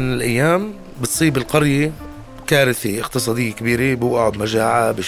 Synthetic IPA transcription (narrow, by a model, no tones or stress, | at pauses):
nɪlʔajːaːm | bɪt̪sˤiːbɪlqɑɾje | kaːɾɪθeʔɪqt̪ɨsˤɑːd̪ɪjːekɪbiːɾebuʔaʕʊd̪maʒaːʕabɪ